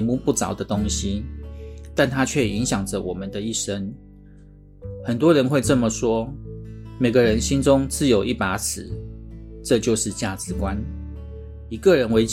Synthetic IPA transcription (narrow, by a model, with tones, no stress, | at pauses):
nmu˥˧pu˥˩t͡sɑ˨˩ʊd̪ə˦t̪ʊ˥ŋɕi˦ | t̪a˥˨nt̪ʰa˥t͡ɕʰɥɛ˥˩i˧˦ŋɕjɑ˨˩ŋd͡zə˨˦wʔɔ˨˩mə˦nd̪ə˦i˥˩ʂə˦ŋ | xə˨˩nt̪̬wɔ˦˥ɻə˧˦nxwe˥˧ɪʈ͡ʂə˥˩mə˨ʂwɔ˥ | me˨˩ɪɡə˦ɻə˧˦nɕi˥nʈ͡ʂʊ˦ŋt͡sɹ̩˥˩jo˨˩ʊʔi˥˩pa˧˥sʰɹ̩˨˦ʈ͡ʂɤ˥˧t͡ɕjo˥˧ʊʂɻ̩˥˧t͡ɕja˥˩t͡sɹɻ̩˨˥˦kwa˦n | i˨˩kɤ˥˨ɻə˧˦nwe˧˥ɪt͡ɕ